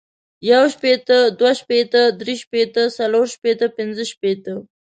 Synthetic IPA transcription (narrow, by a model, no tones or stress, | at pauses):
jawʃpet̪əd̪waʃpet̪əd̪ɾiʃpet̪əsaloɾʃpet̪əpɪnzəʃpet̪ə